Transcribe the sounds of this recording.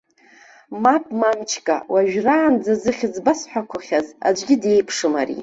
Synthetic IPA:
mapʼmamt͡ʃʰkʼa̰waʒᶣraːnd͡zazɨχʲɪzbasħʷᶣakʷʰaχʲaza̰d͡ʒʷʼɡʲɪde̞jpʰʂɨmaɾḭ

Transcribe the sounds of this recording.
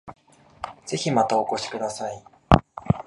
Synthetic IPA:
d͡z̥e̞çimat̪aoko̞ɕi̥kɯ̟d̪asai

